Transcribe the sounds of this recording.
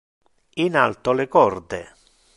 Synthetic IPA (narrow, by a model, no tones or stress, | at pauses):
ina̰lt̪olekɔɾd̪ḛ